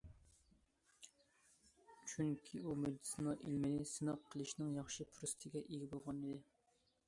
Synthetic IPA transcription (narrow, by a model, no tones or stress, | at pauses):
t͡ʃʰyŋkʲʰiumyd̪sɨnɑʔilmɪnɪsɨnɑqʰːəlˠɨʃnɪŋjɑχʃɨpʰɾust̪ʰɪɡʲɛʔeɡʲibolˠʁɑnɨd̪ɪ